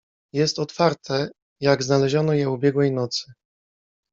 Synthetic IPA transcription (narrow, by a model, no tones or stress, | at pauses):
jɛst̪ɔt̪faɾt̪ʰɛ | jaɡznalɛʑɔnɔjɛubʲjɛɡwɛjnɔt̪sɘ̥